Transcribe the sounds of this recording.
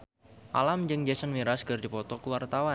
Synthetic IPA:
ʔa̰lamd͡ʒɨŋd͡ʒesənmiɾaskɨrdipɔt̪ɔkəwart̪awan

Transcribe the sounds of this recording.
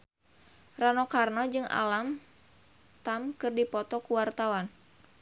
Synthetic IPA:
ranɔkarnɔd͡ʒɨŋʔa̰lam | t̪amkɨrdipɔt̪ɔkuwart̪awan

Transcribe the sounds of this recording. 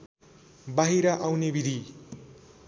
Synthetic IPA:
baɦiɾʌʔawnebid̪ʱi

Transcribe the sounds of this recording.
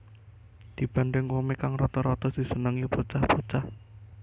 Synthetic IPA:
d̪̥i̤b̥ä̤nd̪ɪŋwomekaŋrɔt̪ɔɾɔt̪ɔsd̪̥i̤sənəŋiput͡ʃahput͡ʃah

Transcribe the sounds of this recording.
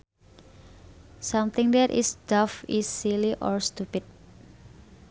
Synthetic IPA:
sʌ̃mt̪ɪ̃ŋd̪ɛɾʔḭsdafisːiliʔɔɹst̪upɪt̚

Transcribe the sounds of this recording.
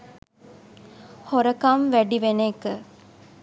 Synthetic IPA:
hoɾɐkamʋæɖiʋenekə

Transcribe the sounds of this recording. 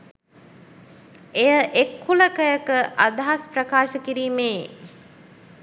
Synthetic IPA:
ejəʔekʰːuləkəjəkəʔad̪aɦasprɐkaːʃəkiɾiːmeː

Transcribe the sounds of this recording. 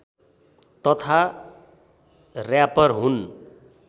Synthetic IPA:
t̪ʌt̪ʰa | rjapʌrɦun

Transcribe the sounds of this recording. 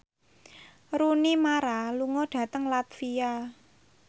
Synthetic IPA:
ɾunimaɾaluŋɔɖ̥ä̤t̪əŋlat̪fia

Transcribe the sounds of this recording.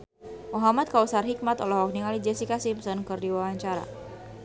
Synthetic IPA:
muɦamat̪̚kausarɦik̚mat̪ɔlɔhwak̚niŋalid͡ʒɛsikasimsɔnkɨrdiwawaɲt͡ʃaɾa̰

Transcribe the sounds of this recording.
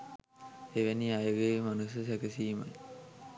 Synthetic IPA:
eʋeniajəɡemanusəsɛkəsiːmɐ̰j

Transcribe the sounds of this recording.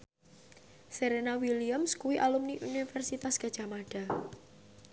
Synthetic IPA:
seɾenawiliamskuwiʔalumniʔunifɛrsit̪asɡ̥a̤̥d͡ʒ̥a̤maɖ̥a̤

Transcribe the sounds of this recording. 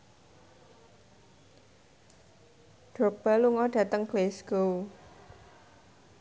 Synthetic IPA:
d̥ɾok̚b̥aluŋɔɖ̥a̤t̪əŋɡlesɡ̥o

